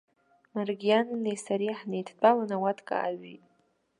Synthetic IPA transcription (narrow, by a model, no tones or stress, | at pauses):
marɡʲijanːesaɾiħnejtʰt͡pʷʼalanawatʰkʼa̰ʔaɥḭtʼ